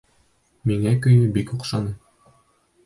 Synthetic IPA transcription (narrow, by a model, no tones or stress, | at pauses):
miŋækɵ̆jnɘbikuqʃɑnɤ